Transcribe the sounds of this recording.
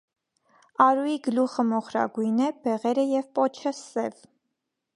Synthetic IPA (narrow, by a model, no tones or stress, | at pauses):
ɑɾujiɡəluχəmɔχɾɑ̰ɡujnɛb̥ɛʁɛɾəjɛvpɔt͡ʃʰəsɛv